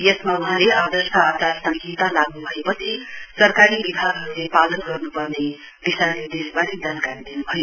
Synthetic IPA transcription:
jesmauɦãlead̪ʌrskaat̪asʌŋkit̪alaɡnubʱʌepʌt͡sʰisʌrkaɾibibʱaɡɦʌɾulepalʌnɡʌrnupʌrne | b̥isaled̪esbaɾid͡zankaɾid̪inubʱʌjo

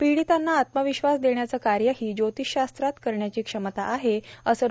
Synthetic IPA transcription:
piɽit̪anːaːt̪məʋiɕʋasd̪eɳjat͡səkaɾjəɦiːd͡ʑot̪iɕast̪ɾat̪kəɾɳjat͡ɕiːkʂəmət̪aʔːɦeəsə

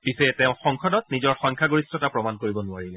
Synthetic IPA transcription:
pisɛtɛ̃ʊ̃xɔŋkʰɔdɔt̚nizɔɹxɔŋkʰaɡoɹistɔtapɹɔmankoɹibɔnʊaɹilɛ

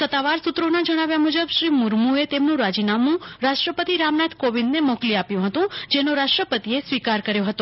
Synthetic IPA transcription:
sət̪ːaʋaɾsut̪ɾonad͡ʒəɽ̃aʋjamud͡ʒəbʃɾimuɾmuet̪emnũɾad͡ʒinamũɾaʃʈɾəpət̪iɾamnat̪ʰkoʋind̪nemokliapjũɦət̪ũd͡ʒenõɾaʃʈɾəpət̪iesʋikaɾkəɾjoɦət̪o

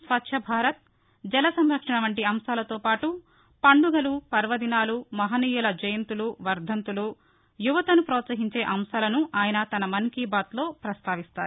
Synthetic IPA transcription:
sʋɐt̪ʃʰɐbʱaːɾɐt̪̚ | d͡ʒɛlɐsɐmɾɐkʂɐɳɐʋɐɳʈiɐmsaːlɐt̪oːpaːʈu | pɐɳɖuɡɐlupɐɾʋɐd̪inaːlumɐɦɐniːjulɐd͡ʒɐjɐnt̪uluʋɐɾd̪ʱɐnt̪ulu | juʋɐt̪ɐnupɾɔːt̪sɐɦiɲt͡ʃe̞ːʔɐmsaːlɐnuʔaːjɐnɐt̪ɐnɐmɐnkiːbaːt̪lo̞ːpɾɐst̪aːʋist̪aːɾu

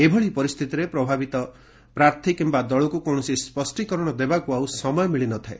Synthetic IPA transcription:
ebʱɔɭipɔɾist̪ʰit̪iɾepɾɔbʱabit̪ɔ | pɾaɾt̪ʰikimbad̪ɔɭɔkukɔñɔsispɔsʈikɔɾɔɽ̃ɔd̪ebakuawsɔmɔjɔmiɭinɔt̪ʰae

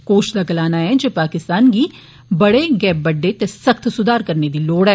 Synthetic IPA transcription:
koːʃlɐɡəlaːnaɦɛ̃d͡ʒoːpaːkɪst̪aːnki | bɐɽeɡɛːp̚bɐɖːet̪esɐxt̪ʰsʊd̪aːɾkɐɾned̪iloːɽɦɛː

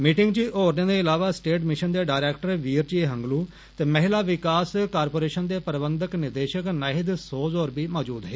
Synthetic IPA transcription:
miːʈɪŋɡt͡ʃiːʔoːɾnẽːd̪eːɪlaːʋaːsʈeːʈmɪʃənd̪eːɖaːɾɛːkʈəɾʋiːəɾt͡ʃieɦəŋɡluː | t̪eːmɛɦɪlaːʋɪkaːskaːɾpoːɾeːʃənd̪eːpəɾbənd̪əknɪɾd̪eːʃəknaɦɪd̪soːzoːɾbiːmɔːd͡ʒuːd̪ɦɛː

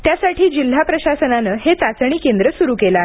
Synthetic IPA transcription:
t̪jasaʈʰiːd͡ʑil̤ːapɾəɕasənanəɦet͡sat͡sɳ̃iːkend̪ɾəsuɾuːkela

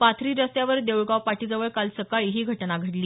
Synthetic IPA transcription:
pat̪ʰɾiːɾəst̪jaʋəɾd̪ewɭɡaʋpaʈiːd͡zəʋəɭkalsəkaɭiɦiːɡʱəʈnaɡʱəʈliː

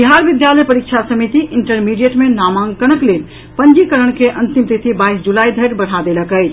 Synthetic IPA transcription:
biɦaɾbid̪jaləjpəɾik̚t͡ʃʰasəmit̪iʔiɳʈəɾmiɖijeʈmenamãŋɡkənəklen | pənd͡ʒikəɾəɽ̃keʔənt̪impit̪ʰibaisd͡ʒulaid̪ʱəɾbəɽ̤ad̪eləkəjt͡ʃʰ

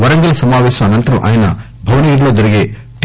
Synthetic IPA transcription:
ʋɐɾɐŋɡɐlɐsɐmaːʋɛːʃɐmɐnɐnt̪ɐɾɐmʔa̰ːjɐnɐ | bʱɐʋɐniɡiɾlo̞ːd͡ʒɐɾiɡe̞ː | ʈ

